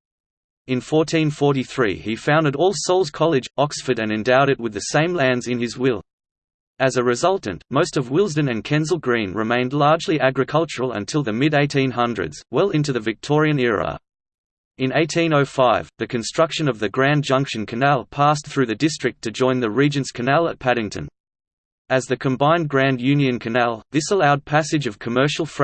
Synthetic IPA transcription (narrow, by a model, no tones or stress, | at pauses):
ɨ̃nfɔɹtʰĩnfɔɹɾiθɹḭifãʊ̃ndɨɾɔlˠsoʊlˠz̥kʰɑlˠɨd͡ʒɑksfə˞ɾɨ̃nɨ̃ndaʊɾɨt̚wɨðɨsẽɪ̃mlæ̃ndzɨ̃nɪzwɪlˠ | ɨzɨɹɨzʌlˠʔn̩moʊstʌvwɪlˠzdɨ̃nɨ̃nkʰɛ̃nzl̩ˠɡɹĩnɹɨmẽɪ̃ndˡlɑɹd͡ʒliʔæɡɹɨkʰʌlˠt͡ʃə˞əl̩ˠə̰̃ntʰɪlˠðɨmɪɾeɪtĩnɦʌ̃ndɹɨ̰dz̥wɛlˠɪ̃ntʉðɨvɨk̚tʰɔɹiɨ̃nɪɹə̰ | ɨ̃neɪtʰĩnoʊfaɪvðɨkʰɨ̃nstɹ̥ʌkʃɨ̃nʌvðɨɡɹæ̃nd͡ʒʌ̃ŋkʃɨ̃nkʰɨnælˠpʰæs̬θɹʉðɨdɪstɹ̥ɨk̚tʰɨd͡ʒɔ̃ɪ̃nðɨɹid͡ʒɨ̃nskʰɨnælˠə̰t̚pʰæɾɪ̃ŋtʰɨ̰̃n | ɨzðɨkʰɨ̃mbãɪ̃nɡɹæ̃njʉ̃njɨ̃nkʰɨnælˠðɪsəlaʊd̚pʰæsɨd͡ʒʌv̥kʰəmɜ˞ʃl̩ˠf